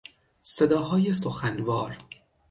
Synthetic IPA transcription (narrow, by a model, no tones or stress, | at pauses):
se̞d̪ɒːɦɒːje̞soxænvɒːɾ